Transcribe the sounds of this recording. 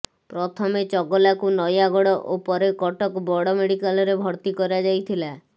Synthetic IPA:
pɾɔt̪ʰɔmet͡ʃɔɡɔlakunɔjaɡɔɽɔʔopɔɾekɔʈɔkbɔɽɔmeɽikalɔɾebʱɔɾt̪ikɔɾad͡ʒajt̪ʰila

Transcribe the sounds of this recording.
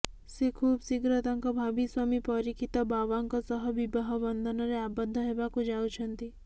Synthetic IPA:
sekʰubsiɡɾɔt̪aŋkɔbʱabiswamipɔɾikʰit̪ɔbaʋaŋkɔsɔɦɔbibaɦɔbɔnd̪ʱɔnɔɾeabɔd̪ʱːɔɦebakud͡ʒawt͡ʃʰɔnt̪i

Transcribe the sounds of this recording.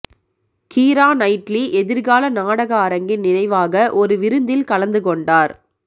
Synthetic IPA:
kiːɾaːnɐɪʈliʔɛðɪɾɣaːlɐnaːɽɐɣɐɐɾɐŋɡɪnɪnɐɪʋaːɣɐʔɔɾɯʋɪɾɯnd̪ɪlkɐlɐnd̪ɯkɔɳɖaːɾ

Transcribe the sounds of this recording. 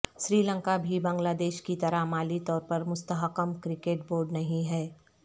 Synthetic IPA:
ʃɾiːlə̃ŋkabʱibɐ̃ːŋɡlaːd̪eːʃkit̪ɐɾamaːlit̪ɔːɾpɐɾmʊst̪əɦəqəmkɾɪkeːʈ̚boːɾɖnɐɦĩɦɛː

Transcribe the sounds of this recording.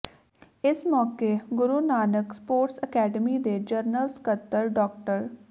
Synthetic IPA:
ɪsmɔːkeːɡʊɾuːnaːnəkspoːʈsəkɛːɖəmiːd̪eːd͡ʒəɾnəlskət̪ːəɾɖɔːk̚ʈəɾ

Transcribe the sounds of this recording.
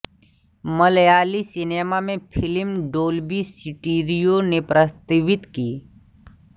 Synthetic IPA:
məljalisinemamẽpʰilmɖoːlbisiʈiɾijonepɾəst̪iʋit̪kiː

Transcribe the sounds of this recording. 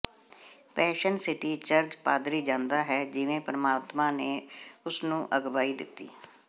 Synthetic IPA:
pɛːʃənsɪʈiːt͡ʃəɾd͡ʒpaːd̪ɾiːd͡ʒãːnd̪aːɦɛːd͡ʒɪʋẽːpɾəmaːt̪mãːneːʊsnũːʔəɡʋaːiːd̪ɪ̰t̪ːḭː

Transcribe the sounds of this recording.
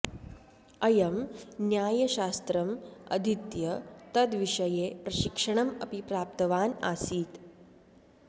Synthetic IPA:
ɐjɐmnjaːjɐɕaːst̪ɾɐmɐ̰d̪ʱit̪jɐt̪ɐd̪ʋiʂɐjepɾɐɕikʂəɳ̃ɐmɐpipɾaːp̚t̪əʋaːna̰ːsiːt̪

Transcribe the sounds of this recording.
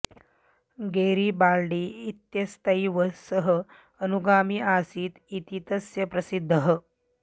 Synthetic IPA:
ɡeɾiːbaɾɖiːt̪jɐst̪ɐjʋəsəɦəː | nuɡaːmiːaːsiːt̪it̪it̪əsjɐpɾɐsid̪ʱːəɦə

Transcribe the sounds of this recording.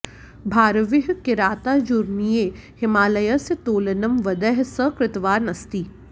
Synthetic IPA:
bʱaːɾʋɪɦkɪɾaːt̪ad͡ʒuɾnijeːhɪmaːlɐjɐsət̪oːlənɐmʋɐd̪ɛɦsəkɾɪt̪ʋaːɾnɐst̪iː

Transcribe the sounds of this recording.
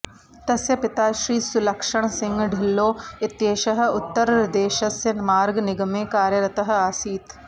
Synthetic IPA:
t̪ɐsjɐpɪt̪aːʃɾiːsʊlɐkʃəɽ̃sɪ̃ŋɡɖʱɪlːoːɪt̪jeːʃəɦ̆ʊt̪ːəɾɾɐd̪eːʃɐsjɐnmaːɾɡnɪɡəmeːkaːɾjɐɾɐt̪əɦaːsiːt̪

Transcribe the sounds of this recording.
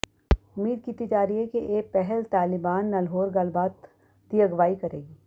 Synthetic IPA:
ʊmiːd̪̚kiːt̪id͡ʒaːɾiɦɛkeʔeːpɛɦɛlt̪aːlɪbaːnːɐlɦoːɾɡɐlbaːt̪ː | ijəɡʋaːikɐɾeːɡiː

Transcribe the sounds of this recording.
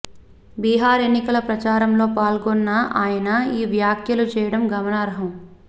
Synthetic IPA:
biːɦaːɾe̞nːikɐlɐpɾɐt͡ʃaːɾɐmlo̞ːpaːlɡɔnːɐaːjɐnɐiːʋjaːkʰjɐlut͡ʃɛːjɐɽɐmɡɐmɐnaːɾɐɦɐm

